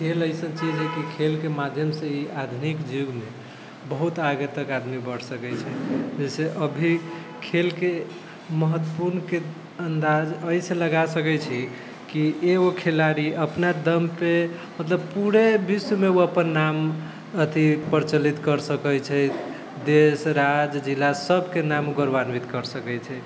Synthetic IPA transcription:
kʰeləjsə̃nt͡ʃid͡ʒɦɛkikʰelkemad̪ʱjəmsə̃iad̪ʱunikd͡ʒiɡme | bəɦut̪aɡət̪əkad̪mibəɽ̤səkɛt͡ʃʰɛd͡ʒəseʔəbʱi | kʰelke | məɦət̪ːəpuɾnke | ənd̪ad͡ʒəjsẽləɡasəkɛt͡ʃʰɛ | kieokʰelaɾiʔəpnad̪əmpemət̪ləb̚puɾebismeoəpənːam | ət̪ʰipəɾt͡ʃəlit̪kəɾsəkəjt͡ʃʰɛ | d̪esɾad͡ʒd͡ʒilːasəbʱkenamɡəɾbanwit̪kəɾsəkɛt͡ʃʰɛ

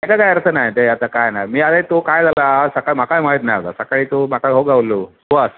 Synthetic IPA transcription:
ekad͡zajəɾt͡sənajt̪eat̪akajnajmiːad̪ajt̪okajd͡zalasəkaɭim̤akajmaɦit̪najaʋt̪a̰səkaɭiːt̪om̤akaɦoɡaʋlo | oas

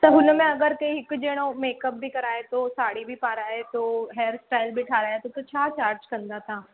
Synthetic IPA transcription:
sɐɦʊnmẽɐɡəɾkɐiɦɪkd͡ʒeːɽ̃õmeːkəp̚bʱikɐɾaːet̪oːsaːɽibʱipaːɾaːet̪oːɦɛːɾsʈaːɪlbʱiʈʰaːɾaːet̪ot̪ot͡ɕʰaːt͡ɕaːɾd͡ʒkɐ̃nd̪at̪ʰãː

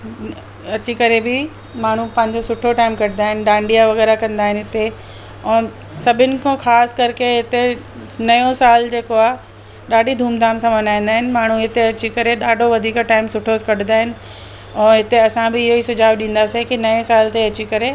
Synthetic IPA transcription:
ɐt͡ɕikɐɾebɪ | maːɳ̤ũpɐ̃ɦɪ̃ɲd͡ʑosʊʈʰoʈaːɪmkɐɽɪ̃nd̪aːɦɪnɪ̆ɖãːɳɖijaʋɐɣɛːɾakɐ̃nd̪aːɦɪnɪɦɪt̪e | ɛ̃ː | sɐbʱɪnɪ̆kʰõxaːskɐɾkeɦɪt̪e | nɐjõsaːld͡ʑeːkoaːɦ | ɗaːɖʱid̪ʱuːmd̪ʱaːmsãmɐnaːĩnd̪aːɦɪnɪ̆maːɳ̤ũɦɪt̪eɐt͡ɕikɐɾeɗaːɖʱoʋɐd̪ʱiːkʈaːɪmsʊʈʰokɐɽ̤ɪ̃nd̪aːɦɪnɪ̆ | ɛ̃ːɦɪt̪eɐsãbɪɪɦoisʊd͡ʑʱaːbɗĩːn̆d̪asekinɐẽsaːlt̪eɐt͡ɕikɐɾe

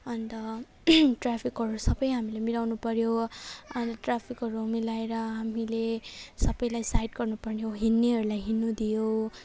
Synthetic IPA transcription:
ʌnt̪ʌ | ʈrapʰikʌɾusʌbʌjɦamilemilawnupʌɾjoʌnt̪ʌʈrapʰikɦʌɾumilaeɾʌɦamilesʌbʌjlajsajʈɡʌrnupʌrnijoɦinːiɦʌɾulajɦinːud̪ijo

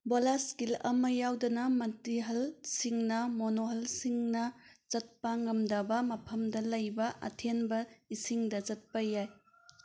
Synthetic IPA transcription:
bolaskilɐ̰mɐjawdɐnɐmɐntiɦɐlsiŋnɐmonoɦɐlsiŋnɐzɐt̚pɐŋɐmdɐbɐmɐpʰɐmdɐlɐjbɐʔɐ̰tʰenbɐisiŋdɐzɐt̚pɐjaj

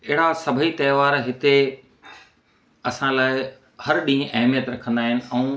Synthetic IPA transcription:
ɪɦɪɽasɐbʱit̪ɐːʋaːɾɦɪt̪e | ɐsãlaːɪ | hɐɾɗĩːɦə̃ʔɐɦmijət̪ɾɐkʰə̃nd̪aːɦɪnɪ̆ɛ̃ː

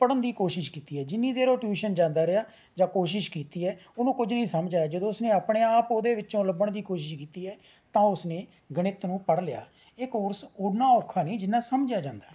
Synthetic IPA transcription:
pəɽənd̪iːkoːʃɪʃkiːt̪iːɦɛːd͡ʒɪnːĩːd̪eːɾoːʈjuːʃənd͡ʒãːnd̪aːɾɪjaː | d͡ʒãːkoːʃɪʃkiːt̪iːɛːʊnũːkʊd͡ʒnəĩːsəmd͡ʒaːjaːd͡ʒəd̪õːʊsnẽːəpɽeːaːpoːd̪eːʋɪt͡ʃõːləbəɳd̪iːkoːʃɪʃkiːt̪iːɛː | t̪ãːʊsnẽː | ɡəɽɪt̪nũːpəɽlɪja̰ː | eːkoːɾsoːnaːɔːɾkʰːaːnĩːd͡ʒɪnːaːsəmd͡ʒjaːd͡ʒãːnd̪aː

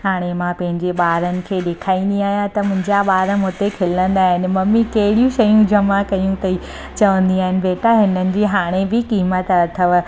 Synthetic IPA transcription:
ɦaːɽ̃emãpɐ̃ɦɪ̃ɲd͡ʑeɓaːɾənɪ̆kʰeːɗekʰaːĩn̆d̪iaːɦijãt̪ɐmʊ̃ɦɪ̃ɲd͡ʑaɓaːɾəmoːt̪ekʰɪlə̃nd̪aːɦɪnɪ̆mɐmːikɐɦɪɽijũʃɐjũd͡ʑɐmakɐjũt̪ɐi | t͡ɕɐʋə̃nd̪iaːɦɪnɪ̆beːʈaɦɪnənɪ̆d͡ʑiːɦaːɽ̃ebɪkiːmət̪ɐt̪ʰəʋ

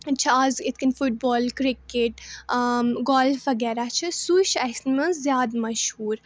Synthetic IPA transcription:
t͡ʃʰɐazit̪̚ʰkɐnfuʈ̚bɔːlkɾikeʈ | ɡɔːlfɐɡɛɾat͡ʃʰɐsuʃɐsnmɐ̃zjaːd̪mɐʃhuːɾ

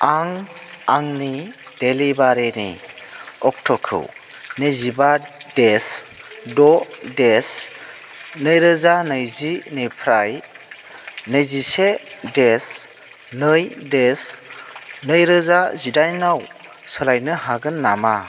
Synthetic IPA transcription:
aŋaŋni | d̥elibaɾenḭ | ɔk̚tʰɔkʰɯ̰w | nezibades | dɔdes | nɯjɾɯzanɯjzinɯpʰɾaj | nɯjzisedes | nɯjdes | nɯjɾɯzazidajnaw | sɯlajnɯɦaɡɯnːama

